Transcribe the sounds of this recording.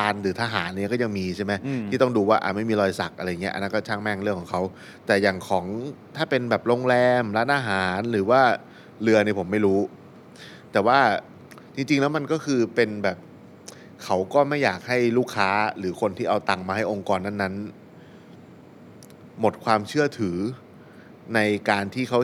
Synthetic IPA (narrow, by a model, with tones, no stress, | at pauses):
aː˧nɾɯː˩˦t̪ʰaː˥˧ɦaː˩˦nʔːi˦˥˦kɔː˥˩ja˧ŋmiː˧t͡ɕʰa˥˩ma˦˥jt̪ʰiː˥˩ɔ˥˩ŋduː˧waː˥˩ʔa̰˨˩ma˥˩jmiː˧lɔː˧jsa˨˩k̚ʔa˧ɾa˧jːa˨˩ŋː˦˥ʔa̰˧nːa˦˥nkɔ˥˩t͡ɕʰaː˥˩ŋmɛ˥˩ŋɾɯ˥˩əŋkʰɔː˨˩˦ŋkʰa˦˥w | t̪ɛː˨˩jaː˨˩ŋkʰɔː˩˦ŋt̪ʰaː˥˩pe˧nbɛː˨˩p̚loː˧ŋlɛː˧mla˦˥ʔaː˧ɦaː˩˦nɾɯː˩˦waː˥˩ | lɯ˧ɐniː˧˩pʰo˩˦mːa˥˩jɾuː˦˥ | t̪ɛː˨˩waː˥˩ | t͡ɕ̪ʰi˧ŋt͡ɕi˧ŋlɛː˦˥wma˧nkɔː˥˩kʰɯː˧pe˧nbɛː˨˩p̚ | kʰa˦˥wkɔː˥˩ma˥˩jːaː˨˩k̚ha˥˩jluː˥˩kʰːaː˦˥ɾɯː˩˦kʰo˧nt̪ʰiː˥˩ʔa˧wt̪a˨˩ŋmaː˧ha˥˩jʔo˧ŋkɔː˧nːa˥˩nːa˦˥n | mo˨˩t̪̚kʰwaː˧mt͡ɕʰɯ˥˩ɐt̪ʰɯː˩˦ | na˧jkaː˧nt̪ʰiː˥˩kʰa˦˥w